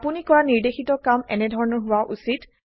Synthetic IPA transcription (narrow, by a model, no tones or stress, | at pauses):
punikɔɹaniɹdexitɔkamɛ̰nɛdʱɔɹɔnɔɹɦʊwaʔusit